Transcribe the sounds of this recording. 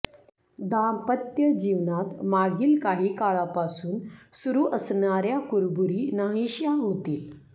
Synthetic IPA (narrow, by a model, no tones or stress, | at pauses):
d̪ampət̪jəd͡ʑiʋnat̪maɡiːlkaɦiːkaɭapasuːnsuɾuːʔəsɳaɾjakuɾbuɾiːnaɦiɕjaɦot̪iːl